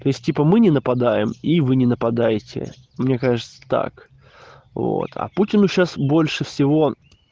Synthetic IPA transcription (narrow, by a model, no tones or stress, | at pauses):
t̪o̞ɪsʲtʲipəmɨnʲɪnəpɐd̪ajɪmivɨnʲɪnəpɐd̪ajɪtʲɪ̰ | mnʲe̞kaʐɨt̪sə̥t̪a̰k | vo̰t̪ʰɐ̰putʲɪnʊɕasbo̞lʲʂɨfsʲɪvo̞